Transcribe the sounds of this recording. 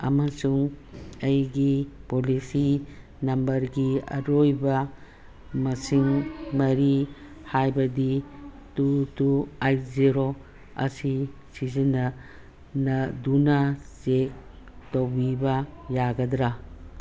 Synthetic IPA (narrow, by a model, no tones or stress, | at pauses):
ɐ̰mɐsuŋɐjɡipolisi | nɐmbɐɾɡiɐ̰ɾojbɐ | mɐsiŋmɐɾi | hajbɐdi | tutuajziɾo | ɐ̰si | sizinːɐ | nɐdunɐsek̚ | towbibɐjaɡɐdɾa